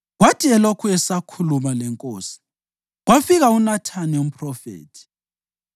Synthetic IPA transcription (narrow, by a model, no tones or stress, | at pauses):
ɣwatʰiɛlokʰuɛsakʰulumalɛŋkʼoːsi̥ | ɣwafiɣaunatʰanɛum̩pʰʼrɔfḛːtʰi̥